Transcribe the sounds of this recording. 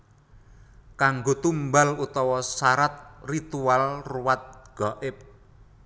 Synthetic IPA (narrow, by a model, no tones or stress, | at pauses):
kaŋɡot̪umbalut̪ɔwɔsaɾat̪̚rit̪ualruwat̪̚ɡ̥ɔʔɪp̚